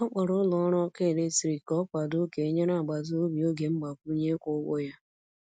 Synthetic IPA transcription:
ɔ˦k͡pɔ˨ɾʊ˦lɔ˨˦ɾɔ˦ke˦˨le˦tɾi˨kɔ˦pa˨do˦ke˨e˦ɲe˦na˨ɡ͡ba˨zʊ˦o˦bi˨o˦ɡe˨ŋ͡m̩˦ɡ͡ba˨kʷu˦ɲe˦kʷʊ˦wo˦ja˦

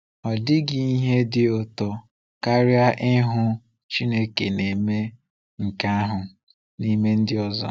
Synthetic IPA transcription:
ɔ˨dɪ˦ɡɪ˦i˦ɦe˦dɪ˦o˨to˨ | ka˦ɾja˦ʔɪ˦ɦʊ˦ | t͡ʃi˦ne˦ke˨ne˨me˦ | ŋ̩˨ka˦a˦ɦʊ˨ | ni˦me˦n̩˦dɪ˦ɔ˦zɔ̰˨

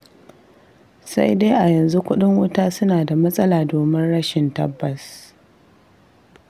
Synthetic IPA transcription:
sa̰˦jde˦jʔa˨jɐ˨nzu˦kʷʊ˦ɗɪ˦ŋwʊ˦taː˦sʊ˦naː˨da˨mɐ˦sʼɐ˦laː˨doː˨mɪ˦nɽɐ˦ʃɪ˨ntɐ̰˦bːɐ˨s

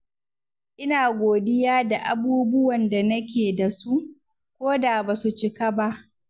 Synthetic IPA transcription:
ʔɪ˦naː˨ɡʷoː˨dɪ˦jaː˦da˨ʔa̰˨buː˦bʊ˦wɐ˨nda˨nɐ˦kʲeː˨da˨su˦ʔ | kʷoː˦da˨baː˨su˨t͡ʃɪ˨ka˦ba˦ʔ

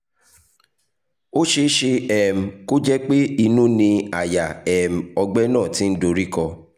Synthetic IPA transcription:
o˦ʃe˧ʃe˧ɛ˨m̩˨ko˦d͡ʒɛ˦k͡pe˦i˧nũ˦nĩ˧a˨ja˨ɛ˨m̩˨ɔ˧ɡ͡bɛ˦nãː˦˨ti˨˦n̩˦do˧ɾi˦kɔ˧

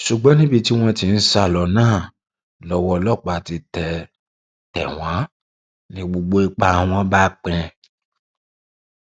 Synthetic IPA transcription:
ʃu˨ɡ͡bɔ˨˦nĩ˦bi˦˧ti˦w̃ɔ̃˧ti˧n̩˦sa˧˨lɔ˨nãː˦˨ | lɔ˧wɔ˧lɔ˦˨k͡pa˨ti˧tɛ˨ | tɛ̰˨w̃ã˨˦ | nĩ˧ɡ͡bo˧ɡ͡bo˧i˧k͡pa˧˨w̃ɔ̃˧ba˦k͡pɛ̃˧

